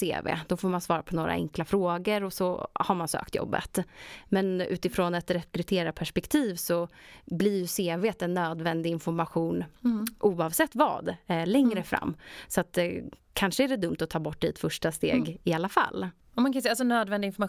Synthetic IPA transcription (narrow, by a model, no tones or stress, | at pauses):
sḛːvḛːd̪̥ɔfoːɾmansvɑːɾapʰɔnoːɾa̰ɛ̰ŋklafɾoːɡəɾɔsɔhaɾmansø̰ːkt̪jɔ̰bːə̰t̪mɛnʉ̟ːt̪ɪfɾoːnat̪ɾɛkɾɵt̪ʰeːɾapʰæʂpɛkt̪ʰiːvsɔblɪɾjɵseːveːt̪ɛnːøːd̪vɛnd̪ɪɪnfɔɾmaɧuːnʔuːɑvsɛt̪ːvɑ̰ːd̪lɛŋɾəfɾa̰mːsɔat̪kʰanʂəæɖɛd̪ɵmt̪ɔt̪ʰɑːbɔʈ̚ːd̪ɛɛt̪fœʂʈast̪ḛːɡɪalːafa̰lː | ɔmankʰansas̬ɔnøːd̪vɛnd̪ɪɪnfɔɾma